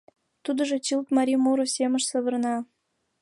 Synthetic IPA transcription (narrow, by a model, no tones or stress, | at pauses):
t̪ud̪ə̆ʒet͡ɕilt̪mɑɾʲimuɾosʲeməʃsə̆βərnɑ